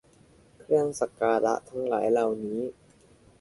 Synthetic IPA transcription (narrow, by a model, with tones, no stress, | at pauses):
kʰɾɯ˥˩əŋsa˨˩kaː˧la̰˦˥t̪ʰa˦˥ŋlaː˩˦jla˨˩wniː˦˥